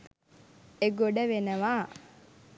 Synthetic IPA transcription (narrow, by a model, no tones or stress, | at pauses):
eɡoɖəʋenəʋaː